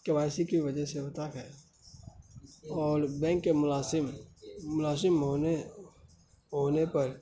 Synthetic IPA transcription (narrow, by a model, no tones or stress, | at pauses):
keʋaːɪsikiʋɐd͡ʒɛsebɐt̪akɦɛ | ɔːɾbɛ̃ːŋkːemʊlaːsɪmmːʊlaːsɪmɦoːne | ɦoːnepɐɾ